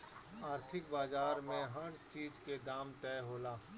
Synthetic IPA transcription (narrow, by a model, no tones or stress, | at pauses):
aːɾt̪ʰɪk̚baːzaːɾmẽɦɐɽt͡ʃiːd͡ʒked̪aːmt̪ɛːɦoːlaː